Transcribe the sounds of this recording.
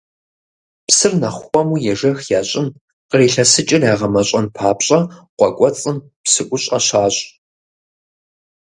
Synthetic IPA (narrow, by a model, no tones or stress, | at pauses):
psɨrnɐχʷxʷɔmuːjɛʒɐxjaːɕʼɪn | qəreːɬɐsɨt͡ʃʼɪrjaːʁɐmɐɕʼɐnpʰaːpɕʼɐqʷɔkʷʼɔt͡sʼɨm | psɨʔʷʊɕʼɐ̰ɕaːɕʼ